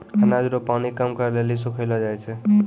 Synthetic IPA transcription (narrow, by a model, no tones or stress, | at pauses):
ənad͡ʒɾopanikamkəɾlelisokʰəlɔd͡ʒajt͡ʃʰɛ